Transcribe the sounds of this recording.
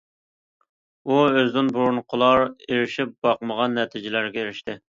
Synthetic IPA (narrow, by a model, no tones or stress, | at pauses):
uøzd̪ɪnbuɾunqʰʊlˠɑɾeɾɪʃip̚b̥ɑqməʁɑnːɛt̪ʰɪd͡ʒɪlæɾɡʲɛeɾɪʃt̪ɪ